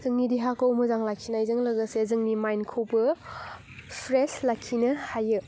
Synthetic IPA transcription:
zɯŋnidiɦakowmɐzaŋlakʰːinajzɯŋlɐɡɐsezɯŋnimajnkʰowbɐ | pʰɾeslakʰːinɐhajɯ

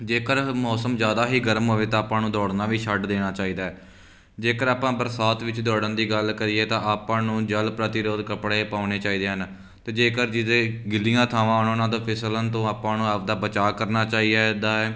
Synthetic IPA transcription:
d͡ʒeːkəɾmɔːsəmzjaːd̪aːɦiːɡəɾəmɦoːʋeːt̪ãːpãːnũːd̪ɔːɽnaːʋiːʃəɖd̪eːɽ̃aːt͡ʃaːiːd̪aːɛː | d͡ʒeːkəɾaːpãːbəɾsaːt̪ʋɪt͡ʃd̪ɔːɽənd̪iːɡəlkəɾiːeːt̪ãːʔaːpãːnũːd͡ʒəlpɾət̪ɪɾoːd̪kəpɽeːpaːʊneːt͡ʃaːiːd̪eːɦən | t̪eːd͡ʒeːkəɾd͡ʒɪt̪ẽːɡɪlijãːt̪ʰaːʋãːʊnonãːd̪õːpʰɪslənt̪õːaːpãːnũːap̚d̪aːbət͡ʃaːkəɾnaːt͡ʃaːiːɛd̪aːɛː

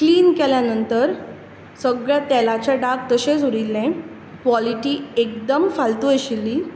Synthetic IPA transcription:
kliːnkɛljanənt̪əɾ | səɡɭjat̪ɛlat͡ɕjaɖaɡ̚t̪əɕesuɾilːẽ | kʋɔliʈiːek̚d̪əmfalt̪ueɕilːiː

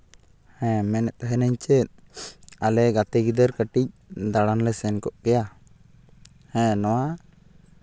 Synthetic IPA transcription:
hɛ̃mɛnɛt̪̚ɦɛnɛɲt͡ʃɛt̪̚alɛɡat̪ɛɡid̪əɾkəʈic̚d̪aɽanlɛsɛnkɔʔkɛja | hɛ̃nɔwa

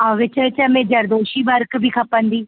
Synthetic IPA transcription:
aːʋɪt͡ʃət͡ʃamɛ̃ːd͡ʒəɾd̪oːʃiːbəɾkbʱiːkʰəpːə̃nd̪iː

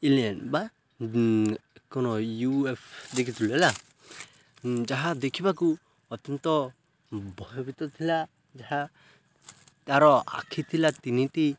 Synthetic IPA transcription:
ilɛnba | kɔnɔjuepd̪ɛkʰit̪ulɛla | d͡ʒaɦad̪ɛkʰibaku | ɔt̪ɔnt̪ɔ | bɔjɔbit̪ɔt̪ʰila | d͡ʒaɦa | aɾɔa̰kʰit̪ʰilat̪init̪i

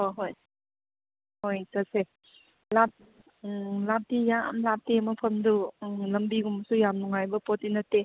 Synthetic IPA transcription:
hoɦoj | hojtɐse | lap̚ | lap̚tija̰mlap̚temɐpʰɐmdulɐmbiɡumsujamnuŋajbɐpɔtːinɐtːe

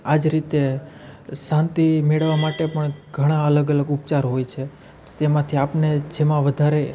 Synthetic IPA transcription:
ad͡ʒɾit̪e | sãnt̪imeɭʋamaʈepəɳɡʱəɽ̃ãələɡələɡup̚t͡ʃaɾɦojt͡ʃʰe | t̪ot̪emãt̪ʰiapned͡ʒemãʋəd̪ʱaɾe

